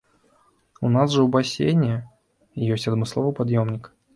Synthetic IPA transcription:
ʊnasʐɨubasʲḛjnʲɪjə | jesʲɐd̪mɨslˠovɨpad̪jomnʲɪk

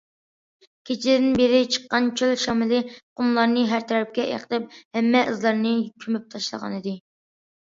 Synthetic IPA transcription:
kʲʰet͡ʃʰilɪd̪ɪnbeɾɪt͡ʃʰə̥qːɑnt͡ʃʰølʃɑmɪlɨqʰʊmlˠɑɾnɨɦæɾt̪ʰɛɾɛp̚kʲɛʔḛqʰəlˠɪp̚hɛmːɛʔɨzlˠɑɾnɨkʲʰymyp̚t̪ʰɑʃlˠə̰ʁɑ̰nɨd̪ɨ

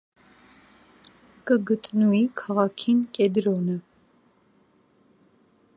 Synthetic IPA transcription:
kʼəɡət̪ʼnuikʰɑʁɑkʰinkʼɛd̪ɾɔnə

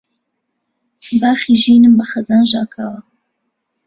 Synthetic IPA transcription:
baːχiːʒiːnɨmbɐxɐzaːnʒaːkʰaːwɐ

